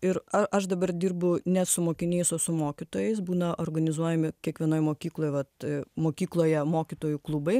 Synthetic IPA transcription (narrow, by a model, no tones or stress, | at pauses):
ɪɾɐɐʃd̪ɐbɐrd̪ʲiːɾbʊnʲɛtsʊmoːkʲɪnʲeːsoːsʊmoːkʲit̪oːjɛɪsbuːnɐʔoːrɡɐnʲɪzuɔjɛmʲɪkʲiɛkʋʲiɛnoːjmoːkʲiːklˠoːjʋɐt̪moːkʲiːklˠoːjɛmoːkʲit̪oːjuklˠʊbɐɪ